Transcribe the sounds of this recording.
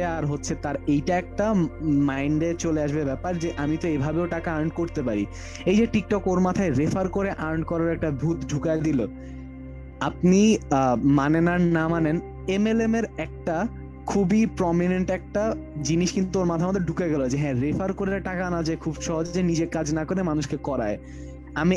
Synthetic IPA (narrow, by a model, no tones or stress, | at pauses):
eaɾɦotːɕʰet̪aɾejʈaɛk̚ʈamajɳɖet͡ɕoleaʃbebɛpaɾd͡ʑeʔamit̪oebʱabeoʈakaaɾɳɖ̚koɾt̪epaɾi | ejd͡ʑeʈik̚ʈɔkoɾmat̪ʰaeɾefaɾkoɾeʔaɾɳɖ̚kɔɾaɾɛk̚ʈabʱut̪ɖʱukad̪ilo | ap̚nimanenaɾnamanen | emelemeɾɛk̚ʈa | kʰubipɾɔmineɳʈɛk̚ʈad͡ʑiniʃkint̪uoɾmat̪ʰamad̪ʱeɾɖʱukeɡɛloɦet͡ɕeɦɛ̃ɾefaɾkoɾeɾʈakanad͡ʑaekʰubʃɔɦod͡ʑd͡ʑenid͡ʑeɾkad͡ʑnakoɾemanuʃkekɔɾa̰e | ami